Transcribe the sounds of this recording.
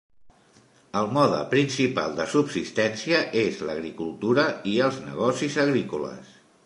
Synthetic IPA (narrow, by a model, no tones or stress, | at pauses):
əlˠmɔðə̰pɾinsipa̰lˠd̪əsubsist̪ɛnsiəʔezləɣɾikulˠt̪uɾəiəlˠznə̰ɣɔsizəɣɾikulə̰s